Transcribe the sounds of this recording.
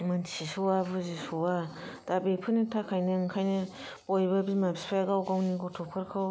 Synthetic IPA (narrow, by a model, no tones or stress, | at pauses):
mɯnsisuwabɯzisuwad̥abepʰɯnitʰakʰajnɯɯŋkʰajnɯ | pojbabimabispʰajaɡawɡawniɡɔtʰɔpʰɯɾkʰɯw